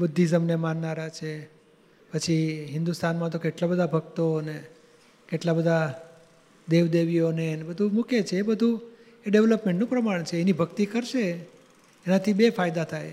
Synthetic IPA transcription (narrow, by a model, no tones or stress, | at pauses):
bəd̪ʱːizəmnemanːaɾat͡ʃʰe | pət͡ʃʰiɦɪnd̪ust̪anmãt̪okeʈlabəd̪ʱabʱəɡt̪one | keʈlabəd̪ʱa | d̪eʋd̪eʋijonenebəd̪ʱumuket͡ʃʰeːbəd̪ʱũ | eɖeʋləpmẽɳʈnũpɾəmaɳ̃t͡ʃʰeːnibʱəkt̪ikəɾʃeː | nat̪ʰibefajd̪at̪ʰaj